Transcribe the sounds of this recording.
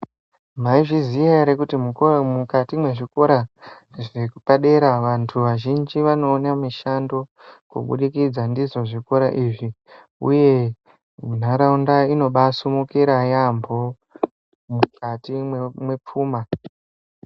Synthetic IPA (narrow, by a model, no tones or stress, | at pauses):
maiʐizijaɾekutimumukatimwe̞ʐiko̞ɾa | ʐekupaɗe̞ɾaʋantʰuʋaʒind͡ʒiʋano̞ːnamiʃando̞kṵɓṵɗikid͡zandizo̞ʐiko̞ɾa̰ʔiːʐi | ṵje̞ | mun̤aɾaundaino̞ɓasumukiɾajambʱo̞ | mukatimwe̞p͡fuːma